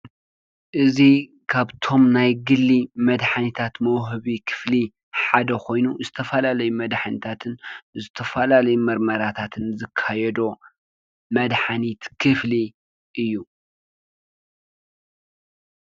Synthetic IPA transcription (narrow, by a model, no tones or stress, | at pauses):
ʔɨzi | kʰaβt̪ʰo̞mnajɡɨlːimɐd̪ħanit̪ʰat̪mɐwɦɨβikʰɨ̥fli | ħad̪ɐkʰo̞jnuzɨt̪ʰɐfɐlalɐjumɐd̪ħanit̪ʰat̪ʰɨnzɨt̪ʰɐfɐlalɐjumɐɾmɐɾat̪ʰat̪ʰɨnzɨkʰːajɛd̪o | mɐd̪ħanit̪kʰɨfli | ʔɨjːu